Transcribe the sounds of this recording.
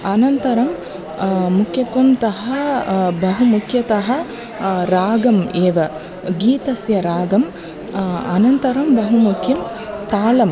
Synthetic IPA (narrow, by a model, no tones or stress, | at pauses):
ɐnɐnt̪ɐɾɐm | mukʰjɐt̪ʋɐmt̪ɐɦɐbɐɦumukʰjɐt̪ɐɦɐ̆ | ɾaːɡɐmeːʋɐ | ɡiːt̪ɐsjɐɾaːɡɐm | ɐ̰nɐnt̪ɐɾɐmbɐɦumukʰjɐm | t̪aːlɐm